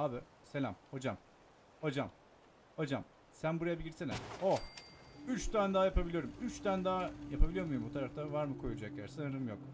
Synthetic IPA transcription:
abɪ | se̞lʲamho̞d͡ʒam | ho̞d͡ʒam | ho̞d͡ʒam | sænbuɾajabiɟʲiɾselʲæ̰mo | yt͡ʃt̪ænd̪aːjapabilʲijo̞ɾumyt͡ʃt̪ʰænd̪aːjapʰabilʲijo̞ɾmujumbut̪ʰaɾaft̪ʰavaɾmɯkʰo̞jud͡ʒaklʲæɾsɯnɯɾɯmjok

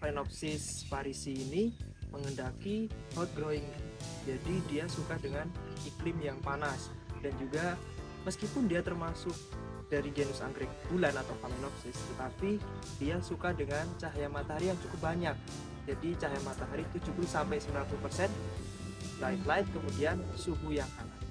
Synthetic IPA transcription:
fainɔp̚sɪsfaɾisiːniməŋəndakihɔt̪̚ɡɾoɪŋ | d͡ʒadidiasukadəŋaniklɪmjaŋpanas | dand͡ʒuɡa | məskipʊndiat̪ərmasʊk̚ | d̥aɾid͡ʒenʊsa̰nɡɾɪk̚bulanat̪awkaminɔksɪst̪ət̪apid̥iasukadəŋant͡ʃaɦjamat̪aɦaɾijaŋsukʊp̚baɲak̚ | d͡ʒadit͡ʃaɦjamat̪aɦaɾiːt̪ud͡ʒubʊlsampajsəmblanp̪upərsɛn | lajflaɪt̪̚kəmudiansukujaŋan

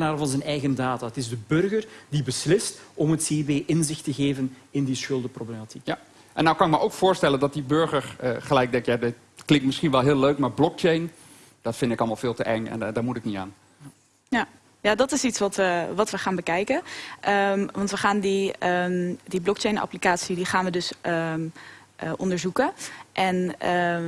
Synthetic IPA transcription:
naːdəvɑnzɛnɛjɣəndaːtaətɪzdəbɵrɣərdibəslɪstɔmətseːibeːʔɪnzɪxtəɣeːvən | ɪndisxʏlˠdəproblematʰik | ʔɛnːawkɑnɪkməʔowkfʊːɹstɛləndɑt̚dibøɹɣəɹəχəlɛjk̚dɛŋkjadɪt | klɪŋtmɪsxinʋɛlˠɦɪːløɥkmaːɹblɔk̚t͡ʃejn | d̥ɔtfɪndɪkɑlˠmalˠfɪːlˠtəʔɛŋɛ̰ndamutɪknia̰ːn | ja | jadɔtɪsitsʋɔtʋəʋɑtʋəχaːnbəkɛjkəʔəmʋɑntʋəχaːndi | diblɔkt͡ʃejna̰plikaːtsidiχaːnʋədɵs | ʔəʔɔndəɹzukəʔɛnə

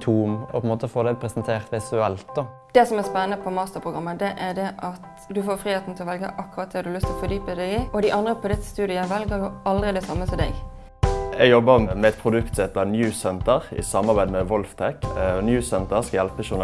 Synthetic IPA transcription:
t̪ʰuːmɔ̰pʰɛnmoːt̪əfoːd̪æɪpʰɾɛsənt̪ʰeːʁt̪ʋɪsʉɛlt̪̚d̪ɔ | d̪̥ɛsɔmæspɛnənəpʰɔmɑːst̪əɾpʰɾʁʊɡɾɑmːəd̪ɛʔæɖɛʔɑt̪ | d̪ʉfoːɾfɾiːheːt̪n̩t̪ʰɪlɔʋɛlɡə̰ʔɑkːʉɾɑt̪̚d̪ɛd̪ʉlʏst̪ʰlɔfɔd̪yːpəd̪æɪɪɔd̪ɪʔɑnd̪ɾəpʰɔd̪ɪt̪ːst̪ʉːd̪ɪəʋɛlɡəɾjʊɑld̪ʁɪd̪ɛsɑmːəsɔd̪ɛ̰ɡ | ɛɡjɔbəmɛɛt̪̚pʰʁʊd̪ʉkt̪sɛt̪ːənjʉːsɛnt̪əʁɪ̰sɑmɑɾbæɪd̪mɛʋɔlft̪ʰɛkɔnjʉːsɛnt̪əʁskɑjɛlpəʃʊʁn

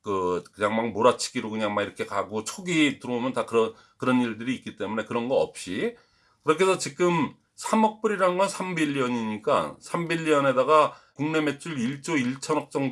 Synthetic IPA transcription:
kɯkɯɲaŋmaŋmoɾat͡ɕʰi̥ɡiɾokɯɲaŋmaiɾʌkʰe̞kaɡot͡ɕʰoɡitɯɾoomjʌntakɯɾʌn | kɯɾʌniɭdɯɾiːk͈it͈e̞mune̞kɯɾʌnɡʌʌ̰p̚ɕ͈i | kɯɾʌk̬ʰe̞sʰʌt͡ɕiɡɯm | sʰamʌk̚p͈ɯɾiɾannɡʌnsʰambiʎːiʌɲiɲik͈asʰambiʎːiʌne̞daɡakuŋne̞me̞t͡ɕ͈ʰuɭiɭt͡ɕ͈oiɭt͡ɕʰʌnʌk̚t͡ɕ͈ʌŋ

